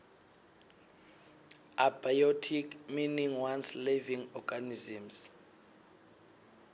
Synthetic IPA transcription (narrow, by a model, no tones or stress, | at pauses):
ʔabajotʰikminiŋwansleviŋɔɡ̥anizims